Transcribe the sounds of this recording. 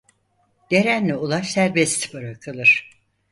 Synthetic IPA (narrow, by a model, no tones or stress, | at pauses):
d̪̥eɾænlʲiulˠaʃsæɾbɛst̪ʰi̥pɯɾɯkʰɯlˠɯɾ̥